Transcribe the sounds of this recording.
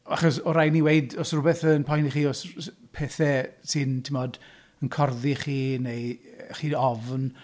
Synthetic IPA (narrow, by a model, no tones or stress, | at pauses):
aχɔsɔɾajniweɨdɔsrʊbɛθənpʰɔjntiχiːɔspʰɛːθɛsɨntʰɪmɔd | ənkʰɔrðiχiːnejχiːɔvn